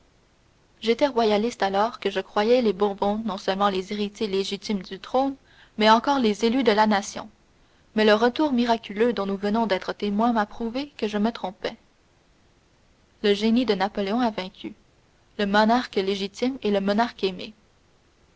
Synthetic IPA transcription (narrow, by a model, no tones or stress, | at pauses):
ʒet̪ɛʁwajalist̪alɔːʁkəʒəkχwajɛlebɔ̃bɔ̃nɔ̃sœlmɑ̃leziʁit̪jeleʒit̪imd̪yt̪ʁon | mɛɑ̃kɔːʁlezelyd̪əlanasjɔ̰̃ | mɛləʁət̪uːʁmiʁakʲylød̪ɔ̃nuvənɔ̃d̪ɛːt̪χət̪emwɛ̃mapχuvekəʒəmət̪χɔ̃pɛ | ləʒenid̪ənapɔleɔ̃avɛ̃kʲʰy | ləmɔnaʁkleʒit̪imeləmɔnaʁkeme